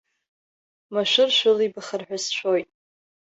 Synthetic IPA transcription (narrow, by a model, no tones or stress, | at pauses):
maʃʷʊrʃʷʊlibaχarħʷᶣasʃʷʰojtʼ